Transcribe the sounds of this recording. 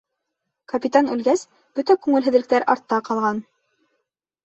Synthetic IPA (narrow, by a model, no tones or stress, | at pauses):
kɐpʲit̪anɵ̆lɡæs | b̥ɵt̪ækʉŋɘlɦɘ̆ðlɘ̆k̚t̪æɾʔɑ̰ɾt̪ːɑqɑlˠʁɑn